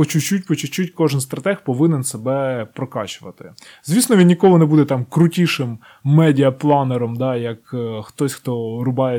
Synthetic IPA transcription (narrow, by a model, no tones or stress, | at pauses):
pɔt͡ʃʊt͡ʃːut̚ʲpɔt͡ʃʊt͡ʃutʲkɔʒɪnst̪ɾɐt̪ɛxpɔʋɪnɛnsebɛpɾɔkɑ̰t͡ʃʊʋɐt̪ɪ̰ | z̥ʲʋʲisnɔʋʲinʲnʲikɔɦˠʊnɛbud̪ɛt̪ɑmkɾʊtʲiʃɪmː | ɛdʲiɐplˠɑneɾɔmd̪ɑjɐkxt̪ɔsʲxt̪ɔɾʊbɑje